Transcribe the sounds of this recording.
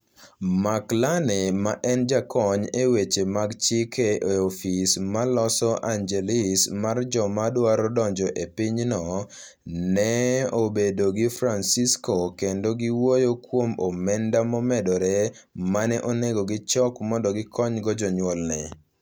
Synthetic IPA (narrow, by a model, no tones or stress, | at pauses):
maklanemaʔɛnd͡ʒakʰɔɲewet͡ʃemaɡt͡ʃikʰeʔeofismalɔsɔʔaɲd͡ʒelismard͡ʒɔmadwaɾɔdɔɲd͡ʒɔʔepiɲnɔ | nɛobedoɡɪfɾansiskokendoɡɪwojokwomomɛndamɔmɛdɔɾɛ | manɛʔoneɡoɡɪt͡ʃɔkmɔndɔɡɪkʰɔɲɡɔd͡ʒɔɲwɔlnɛ